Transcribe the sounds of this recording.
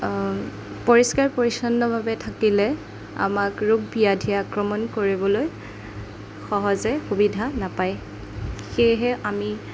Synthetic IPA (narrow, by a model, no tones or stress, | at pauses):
poɹiskaɹpoɹisɔnːɔbʱabɛtʰakilɛ | a̰makɹuɡ̚biadʱiaːkɹɔmɔnkoɹibɔloj | xɔɦɔzɛxubidʱanapaj | xejɦɛʔami